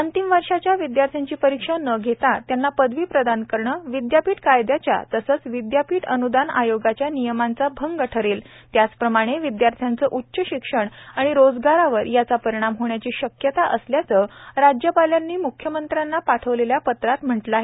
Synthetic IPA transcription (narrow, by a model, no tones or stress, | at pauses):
ənt̪imʋəɾʂat͡ɕjaʋid̪jaɾt̪ʰjaɲt͡ɕiːpəɾikʂənəɡʱet̪at̪janːapəd̪ʱʋiːpɾəd̪ankəɾɳəʋid̪japiːʈkajd̪jat͡ɕja̰t̪əsəːt͡sʋid̪japiːʈənud̪ana̰joɡat͡ɕjanijəmant͡sabʱəŋɡɡəʈʰəɾeːl | t̪jat͡spɾəmaɽ̃eʋid̪jaɾt̪ʰjant͡səʔutːɕəɕikʂəɳaɽ̃iɾod͡zɡaɾaʋəɾjat͡sapəɾiɽ̃amɦoɳjat͡ɕiːɕəkjət̪aʔəsljat͡səɾad͡ʑjəpaljanːiːmukʰjəmənt̪ɾjanːapaʈʰəʋleljapət̪ɾat̪m̤əʈləaɦe